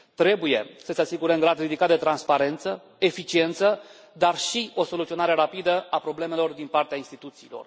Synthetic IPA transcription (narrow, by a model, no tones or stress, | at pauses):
t̪ɾe̞buje̞səseasiɡuɾeŋɡɾad̪rid̪ikat̪̚d̪e̞t̪ɾanspaɾe̞nt̪sə | e̞fit͡ʃie̞nt̪sə | d̪arʃio̞so̞lut̪sio̞naɾeɾapid̪əapɾo̞ble̞me̞lo̞rd̪inpart̪eainst̪it̪ut̪siːlo̞̰r